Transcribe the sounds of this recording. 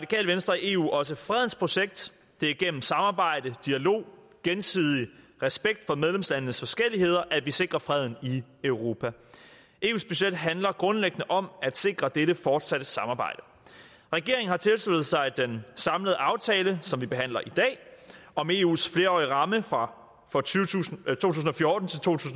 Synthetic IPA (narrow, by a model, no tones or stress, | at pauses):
ʁɑ̥ikʰɛ̰ːlʋensd̥ʁɐie̝̰ːṵːʔɒ̽səfʁɛð̞ˠn̩spʰʁo̝ɕeɡ̥̚d̥ | d̥e̝æɐɡ̥en̰m̩sɑ̈mɑ̈ːb̥ɑ̈ɪ̰d̥əd̥iælo̝̰ː | ɡ̥ensið̞ˠi | ʁɛsb̥eɡ̥̚d̥fɒ̽með̞ˠlemslænənəsfɒ̽sɡ̥el̰ihe̝ð̞̰ˠɐʔæ̥ʋise̝ɡ̥ʁɐfʁɛð̞̰ˠn̩iøʊʁo̝ːpʰæ | ʔe̝̰ːṵːsb̥yɕed̥ɦænlɐɡ̥ʁɔ̽nleɡ̥ənəʔɒ̽mæd̥se̝ɡ̥ʁɐd̥eɾəfɒːd̥sæɾ̥əsɑ̈mɑ̈ːbɑ̈ɪ̰d̥ə | ʁɛɡ̥e̝ɐeŋ̩hɑ̈t͡sʰe̝lslud̥ð̩ˠsɑ̈ɪd̥ensɑ̈mləðˠəʔɑ̈ʊt͡sʰɛːləsɒ̽mʋib̥e̝ɦæn̰lɐʔid̥ɛ̰ːɒ̽me̝ːṵːsfle̝ːɐɒːiʁɑ̈məfʁɑ | fɒut͡sʰo̝̰ːt͡sʰuːsn̩ɒ̽fjɔːd̥n̩t͡sʰe̝lt͡sʰo̝̰ːt͡sʰṵːsn